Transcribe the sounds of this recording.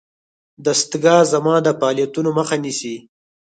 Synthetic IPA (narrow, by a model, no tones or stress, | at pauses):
d̪ast̪ɡɑzamɑd̪əfɑːlijat̪unoməxanisi